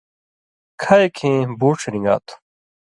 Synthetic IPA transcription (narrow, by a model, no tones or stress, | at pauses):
kʰɐekʰẽːbuːʈ͡ʂʰɾĩŋɡa̰ːt̪ʰu̥